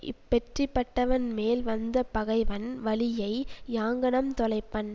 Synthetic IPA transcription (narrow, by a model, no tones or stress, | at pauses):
ɪ̰pːɛʈripːɐʈːɐʋɐnmeːlʋɐnd̪ɐpɐɣɐɪʋɐnʋɐlɪjɐɪjaːŋɡɐɳɐmt̪ɔlɐɪpːɐnː